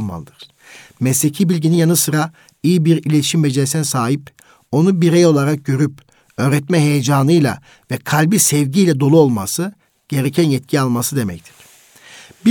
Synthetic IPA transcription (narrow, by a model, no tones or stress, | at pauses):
lˠma̰lˠɯd̪ɯɾ̥ | mɛsecʰibilʲɟininjanɯsɯɾa | ijibiɾilʲet̪ʰiʃimbed͡ʒesænsaːɦip | o̞nubiɾejo̞lˠaɾak̚ɟø̞ɾyp | ø̞ːɾɛt̪mɛɦe̞jed͡ʒaːnɯjlˠa̰ | vɛkʰalʲbisɛvɟijlʲɛd̪o̞lˠuo̞lˠma̰sɯ | ɟ̥e̞ɾecʰænjɛt̪̚cʰialˠmasɯd̪e̞mɛ̰ct̪ʰi̥ɾ̥ | bi